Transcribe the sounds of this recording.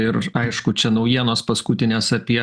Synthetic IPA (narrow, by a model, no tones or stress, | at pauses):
ɪɾɐɪʃkʊt͡ʃʲɛnɐʊjiɛnoːspɐskʊt̪ʲɪnʲeːsɐpʲiɛ